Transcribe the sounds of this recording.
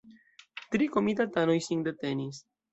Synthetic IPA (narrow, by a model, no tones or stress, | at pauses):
t̪ɾikomit̪at̪anojsiŋd̪et̪enis